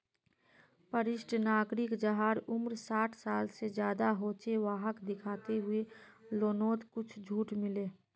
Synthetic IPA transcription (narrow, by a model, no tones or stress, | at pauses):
pəɾɪʃʈʰnaːɡɾɪkd͡ʒəɦaːɾʊmɾsaːʈʰsaːlsed͡ʒjaːd̪aɦoːt͡ʃeʋaːɦəkd̪ɪkʰaːt̪eɦʊeloːnoːt̪kʊt͡ʃʰd͡ʒʱuːʈmɪleː